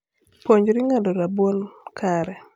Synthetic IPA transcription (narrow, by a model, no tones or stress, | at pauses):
poɲd͡ʒɾiŋadoɾabwolkʰaɾɛ